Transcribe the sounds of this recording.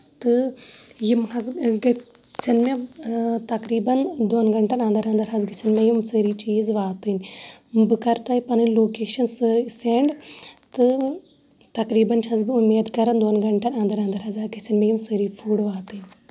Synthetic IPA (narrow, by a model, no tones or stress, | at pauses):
t̪ɨjimhɐzɡ | sɐnmet̪ɐkɾiːbɐnd̪oːnɡɐɳʈɐnɐ̃nd̪ɐɾɐ̃nd̪ɐɾɦɐzɡɐsɐnmejimsəɾit͡ʃiːzʋaːt̪ɨnʲbɨkɐɾt̪ɐːipɐnɨloːkeːʃɐnsɨɾseɳɖt̪ɨ | t̪ɐkɾiːbɐnt͡ʃʰɐzbɨumeːd̪kɐɾɐnd̪oːnɡɐɳʈɐnɐ̃nd̪ɐɾɐnd̪ɐɾɦɐzɐɡɐsɐnmẽjimsəːɾiːpʰuːɽʋaːt̪ɨnʲ